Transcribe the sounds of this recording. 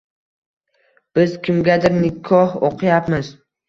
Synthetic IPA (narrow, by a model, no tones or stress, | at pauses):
b̥ɪzkʲɪmɡʲad̪ɪɾnɪkʰɒho̰qʰɨjapmɪz